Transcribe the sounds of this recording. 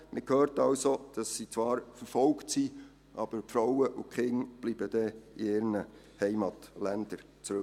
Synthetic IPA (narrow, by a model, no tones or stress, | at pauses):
mɪkhøːɾtɑlsod̥ɑsːit͡svɑːɾfəɾfɔlktsiː | ʔɑb̥əɾfɾawəʔʊkʰχɪŋb̥liːb̥əd̥ɛiɪːɾnə | hɛɪmɑtlɛnd̥əɾ | t͡sɾʉ